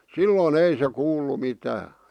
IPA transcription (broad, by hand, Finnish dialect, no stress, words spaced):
silːoːn ei se kuːlːu mitæː